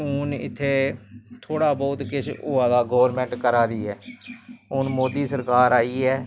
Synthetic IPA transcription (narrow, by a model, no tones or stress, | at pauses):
ʊnɪ̰t̪ʰːeːt̪ʰoːɽaːbɔːt̪kɪʃʊːãːd̪aːɡoːʋəɾmɛ̃ːɳʈkəɾaːɾiːɛː | ʊnmoːd̪iːsəɾkaːɾaːiːɛː